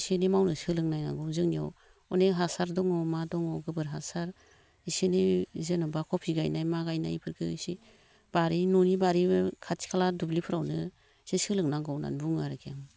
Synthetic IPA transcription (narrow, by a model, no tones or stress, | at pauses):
senimawnɯsɯlɯŋnajna̰ɡɯwzɯŋnia̰w | ɔneɦasaɾdɔŋɔmadɔŋɔɡɯbɯɾɦasaɾ | isenizenɔbakʰɔpʰiɡajnajmaɡajna̰jpʰɯɾɡʰɯisi | b̥aɾinunibaɾikʰatʰi̥kʰaladublipʰɯɾawnɯ | sisɯlɯŋnaɡɔwna̰nbuŋaɾɯkʰijaŋ